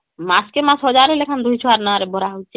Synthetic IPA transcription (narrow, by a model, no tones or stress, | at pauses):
maskemãsɦɔd͡ʑaɾelekʰand̪ujt͡ɕʰoaɾnaaɾebɔɾaɦot͡ɕʰe